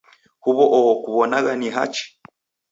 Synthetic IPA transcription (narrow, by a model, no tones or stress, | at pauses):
huβɔʔɔɔkuβɔnaɣaniɦa̰t͡ʃi̥